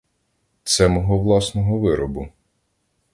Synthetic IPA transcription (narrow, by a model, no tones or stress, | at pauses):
t̪sɛmɔɦɔʋlˠɑsnɔɦɔʋɪɾɔbʊ